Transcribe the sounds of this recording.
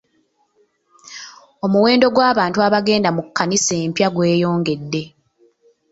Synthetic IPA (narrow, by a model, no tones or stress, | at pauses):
o̞muwe̞ːndo̞ɡwaːβaːntuaβaɡe̞ːndamukːanise̞ːmpjaɡwe̞ːjo̞ːŋɡe̞dːe̞